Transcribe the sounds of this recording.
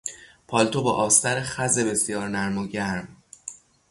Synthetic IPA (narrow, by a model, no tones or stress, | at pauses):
pʰɒːlt̪ʰobɒːʔɒːst̪æɾexæze̞be̞sjɒːɾnæɾmoɟæɾm